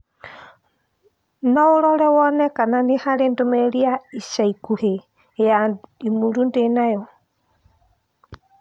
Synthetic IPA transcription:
nɔoɾɔɾɛwɔnɛkananehaɾendomɛɾiaisaikuhe | jaimuɾundenajɔ

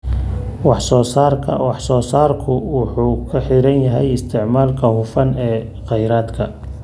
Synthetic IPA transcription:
wɑħsɔːsaːrkʰɐwɑħsɔːsaːrkʰʊwʊħuːkʰɐħɪɾɐnjɐɦɛ̰jɪst̪ʰɪʕmaːlkʰɐhʊfɐnɛː | qɑjɾaːd̪kʰɐ

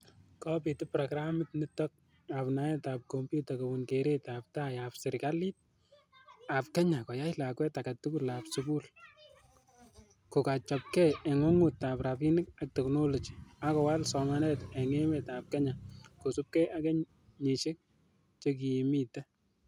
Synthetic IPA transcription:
kɔpitɪpɾɔkɾamɪtnitɔk̚ | apnajɛtap̚kompjutɔkobʊnkeɾetap̚tajapsɪɾkalit̚ | ap̚kɛɲakɔjajlakwɛtakatukulapsukul | kokat͡ʃɔp̚kɛɛŋɔŋutaprapinɪk̚ak̚tɛknolɔd͡ʒiakɔwalsɔmanɛtɛŋemɛtap̚kɛɲakosup̚kɛakɛɲ | ɲiʃɪk̚ | t͡ʃek̬iimitɛ

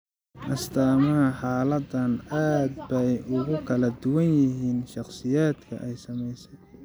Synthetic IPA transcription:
ʔɐst̪ʰaːmɐhɐħaːlɐd̪ɐnaːd̪̚bɛjʔʊɣʊkʰɐlɐd̪ʊwɐnjɪɦiːnʃɑχsɪjaːd̪kʰɐ̰ʔɛjsɐmɛjsɛ

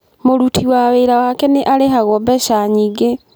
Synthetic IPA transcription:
moɾutʰiwaweːɾawakɛneʔaleɦaɣɔbɛʃaɲiːɡe

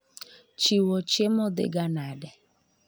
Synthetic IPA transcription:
t͡ʃiwot͡ʃemɔdɪ̰ɡanadɪ

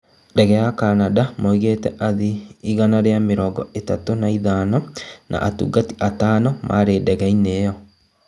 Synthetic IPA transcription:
dɛɣɛjakanadamoiɣetɛ̰ʔaðiːɣanaɾeameɾɔːɡɔ̰etatonaiðanɔnʔa̰ʔatṵɡati̥ʔatanɔmʔa̰ɾedɛɣɛineːjɔ

